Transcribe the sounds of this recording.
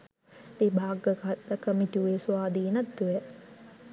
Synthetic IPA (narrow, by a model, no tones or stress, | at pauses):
bebʱaːɡəkat̪ləkəmituʋeːsuaːd̪iːnɐt̪d̪uʋɛ